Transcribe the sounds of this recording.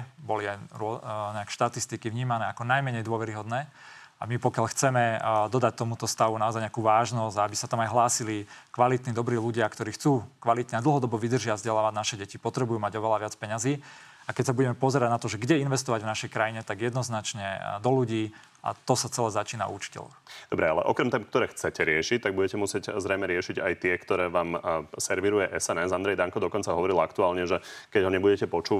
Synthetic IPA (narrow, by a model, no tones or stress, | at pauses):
bɔliajɾɔɲɛakʃt̪at̪ist̪ikiʋɲiːmanɛːakɔnajmɛɲɛjd̪ʊɔʋɛɾiɦɔd̪nɛː | amipɔkjaʎxt͡sɛmɛd̪ɔd̪ac̚t̪ɔmut̪ɔst̪aʋunaɔzajɲakuːʋaːʒnɔzaabisat̪amajɦlaːsilikʋalit̪nid̪ɔbɾiːluɟɪakt̪ɔɾiːxt͡suːkʋalit̪ɲɛad̪l̩ˠɦɔd̪ɔbɔʋid̪r̩ʒɪavzɟɛlaːʋaɟnaʃɛɟɛcipɔt̪ɾɛbujuːmaɟɔʋɛlaʋɪat͡spɛɲaziː | akɛcsabuɟɛmɛpɔzɛɾaɟnat̪ɔʒɛɡɟɛinʋɛst̪ɔʋaɟvnaʃɛjkɾajiɲɛt̪aɡjɛd̪nɔznat͡ʃɲɛd̪ɔluɟiː | a̰t̪ɔsat͡sɛlɛːzat͡ʃiːna̰ṵt͡ʃi̥cɛ̰lɔ̰xd̪ɔbɾɛalɛ̰ʔɔkɾɛmt̪ɛːmkt̪ɔɾɛːxt͡sɛcɛɾɪɛʃic̚t̪ːaɡ̚buɟɛcɛmusɪɛczɾɛjmɛɾɪɛʃiɟa̰jt̪ɪɛkt̪ɔɾɛːʋaːmsɛɾʋiɾujɛʔɛsɛnɛszand̪ɾɛjd̪aŋkɔd̪ɔkɔnt͡saɦɔʋɔɾilakt̪uaːlɲɛʒɛkɛɟɦɔɲɛbuɟɛcɛpɔt͡ʃuː